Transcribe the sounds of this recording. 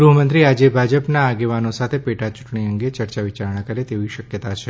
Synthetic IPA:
ɡɾuɦəmənt̪ɾiad͡ʒebʱad͡ʒəpnaːɡeʋanosat̪ʰepeʈat͡ʃʊ̥ʈɳiəŋɡet͡ʃəɾt͡ʃaʋit͡ʃaɾɳ̃akəɾet̪eʋiʃəkjət̪at͡ʃʰe

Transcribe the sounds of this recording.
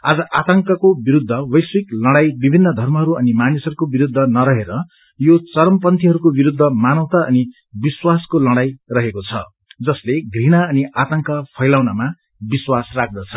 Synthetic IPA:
ad͡zʌʔat̪ʌŋkʌkobiɾud̪ʱːʌwʌjswiklʌɽajbibʱinːʌd̪ʱʌrmʌɦʌɾuʌnimanisʌɾukobiɾud̪ʱːʌnʌɾʌɦeɾʌ | jot͡sʌɾʌmpʌnt̪ʰiɦʌɾukobiɾud̪ʱːʌmanʌwt̪aʌ̰ni | biswaskolʌɽajrʌɦekot͡sʰʌ̰ | d͡zʌsleɡriɽ̃aʌniat̪ʌŋkʌpʰʌjlawnama | biswasrak̚ʰd̪ʌt͡sʰʌ̥

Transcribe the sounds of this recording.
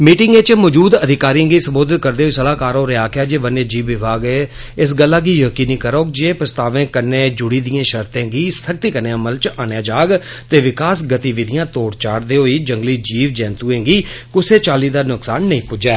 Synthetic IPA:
miːʈɪŋɡeːt͡ʃmɔːd͡ʒuːd̪əd̪ʱɪkaːɾiãːɡiːsəmboːd̪ɪt̪̚kəɾd̪eːɦoiːsəlaːkaːɾoːɾeaːkaːd͡ʒeːʋəneːd͡ʒiːʋːɪbʱaːɡɛː | ɪs̬ɡəlːaːɡiːjəkiːniːkəɾoːkd͡ʒeːpɾəst̪aːʋẽːkəɾneːd͡ʒʊɽiːd̪ijẽːʃəɾt̪ẽːɡiːsək̚t̪iːkənẽːəməlt͡ʃaːnjãːd͡ʒaːɡt̪eːʋɪkaːsɡət̪iːʋɪd̪ɪjãːt̪oːɽt͡ʃaːɽd̪eːɦoːiːd͡ʒəŋɡliːd͡ʒiːʋd͡ʒɛ̃ːnt̪uːẽːɡiːkʊseːt͡ʃaːliːd̪aːnʊksaːnːəĩːpʊd͡ʒɛː

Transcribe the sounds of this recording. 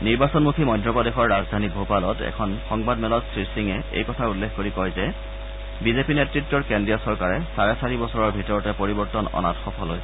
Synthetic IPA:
niɹbasɔnmukʰimɔjdɹɔpɔdexɔɹːazdʱanik̚bʱopalɔtɛ̰kʰɔnxɔŋbadmɛlɔtsɹiɹsiŋɛḛjkɔtʰaulːexkoɹikɔjzɛ | bizepinetɹitːɔɹkendɹijɔsɔɹkaɹɛsaɹɛsaɹibɔsɔɹɔɹbʱitɔɹɔtɛpoɹibɔɹtɔnɔ̰na̰txɔpʰɔloj

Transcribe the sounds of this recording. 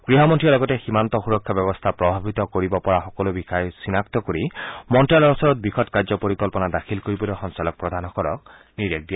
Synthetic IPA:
ɡ̥ɹiɦɔmɔntʰiɔlɔɡɔtɛximant̪ɔxuɹɔkʰːabɛbɔst̪ʰapɹɔbʱabit̪ɔkoɹibɔpɔɹaxɔkɔlobixajsinak̚t̪ɔkoɹimɔntalɔɹɔsɔɹɔt̪̚bɹixʰɔtkaɹzɔpoɹikɔlpɔnadaxʰilkoɹibɔloxɔnsalɔk̚pɹɔd̪ʱanɔkɔɾɔ̰k̚ | niɹek̚dija

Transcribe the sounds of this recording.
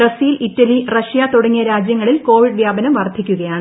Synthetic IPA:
rɐsiːlʔitːɐlirɐɕijat̪uɽɐŋːijɐɾaːd͡ʑjɐŋːɐɭilko̞ːʋiɖʋjaːbɐnɐmʋɐrd̪ʱːikʲːuɣɐjaːɳɨ

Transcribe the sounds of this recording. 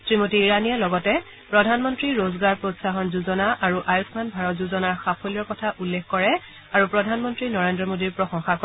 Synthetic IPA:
sɹimotiːɹanijalɔɡɔtɛ | pɹɔdʱanmɔntɹiɹozɡaɹpɹotsaxɔnzuzɔnaʔaɹuʔajusmanbʱaɹɔtzuzɔnaɹxapʰolijɔɹkɔtʰaʔulːekkɔɹɛ | aɹupɹɔdʱanmɔntɹinɔɹendɹɔmodiɹpɹɔxɔŋxakɔ

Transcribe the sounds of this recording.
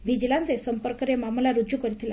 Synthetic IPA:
ʋid͡ʑlant͡sesəmpəɾkəɾemamlaɾud͡ʑjukəɾit̪ʰil

